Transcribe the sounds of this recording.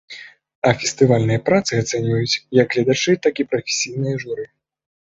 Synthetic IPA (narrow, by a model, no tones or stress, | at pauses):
ɐfʲɛsʲt̪ɨvalʲnɨjɐpɾat̪sɨat̪sɛnʲvɐjut͡sʲjɐɡɣlʲɐd̪at͡ʂɨt̪akipɾɐfʲe̥sʲijnɨjɐʐuɾɨ